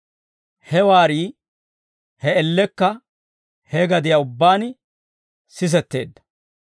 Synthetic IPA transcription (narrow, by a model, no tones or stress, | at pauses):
hɛwaːɾiː | hɛɛlːɛkːɐ | hɛɡɐd̪ɪjaʊbːaːn | sɪs̬ɛt̪ːe̞̰ːd̪ːɐ̥